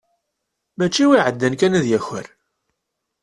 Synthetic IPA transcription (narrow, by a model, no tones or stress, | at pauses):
mæt͡ʃːiwiʕəd̪ːænkænæðjæçəɾ